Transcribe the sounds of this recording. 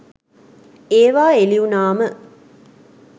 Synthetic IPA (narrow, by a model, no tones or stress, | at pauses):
eːʋaːeliunaːmə